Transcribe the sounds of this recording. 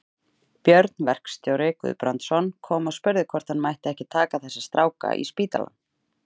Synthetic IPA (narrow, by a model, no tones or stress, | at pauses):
pjœɾt̪nvɛr̥kst̪joːwɾɪkʏ̰ðpɾant̪sɔnkʰɔːmaspʏɾðɪkʰvɔɾ̥t̪anmajht̪ɪɛhcɪt̪ʰaːkaθɛsːɪst̪ɾaːwka̰ʔḭspiːt̪a̰la̰n